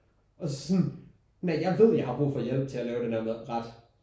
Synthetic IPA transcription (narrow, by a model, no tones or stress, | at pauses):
ɒ̽sɒ̥sn | næɪjɑ̈ɪʋe̝ð̞̰ˠjɑ̈ɪɦɑ̈b̥ʁṵːfɒ̽ːjelb̥̚t͡sʰe̝ælɛːʊd̥enhæɐmeðˠʁɑ̈d̥